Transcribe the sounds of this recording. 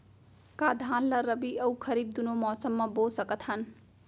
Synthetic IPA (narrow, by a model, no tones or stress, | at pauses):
kad̪ʱanlʌɾʌbiʔʌwkʰʌɾib̚d̪unomʌsʌmːʌbolsʌkʌt̪ʰʌn